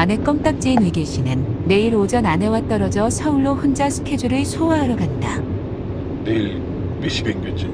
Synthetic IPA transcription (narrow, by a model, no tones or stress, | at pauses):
ane̞k͈ʌmt͈ak̚t͡ɕ͈einɯɡiɕ͈inɯnːe̞iɾod͡ʑʌnane̞wat͈ʌɾʌd͡ʑʌsʰʌuɭːoɸund͡ʑasʰɯ̥kʰed͡ʑuɾɯɭsʰowaːɾʌɡanda | nei | miɕʰibeŋbot͡ɕ͈i